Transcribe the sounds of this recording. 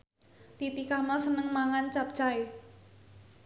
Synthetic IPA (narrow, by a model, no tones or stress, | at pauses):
t̪it̪ikahməsənəŋmaŋant͡ʃap̚t͡ʃai